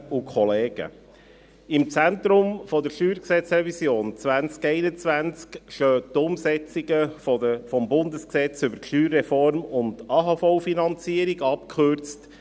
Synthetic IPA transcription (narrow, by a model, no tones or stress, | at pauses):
ukʰɔleːɡ̥ə̰ | ɪmt͡sæntɾʊmfɔdəɾʃyːɾksɛt͡srɛvisjoːnt͡svænt͡skɛɪnət͡svænt͡skʃøːtʊmsɛt͡siɡəfəfɔmbʊndəsksɛt͡sʏbəɾʃyːɾːɛfɔɾmʊndɑːɦɑfɔʊfinɑnt͡siəɾiɡɑpkʰøɾt͡st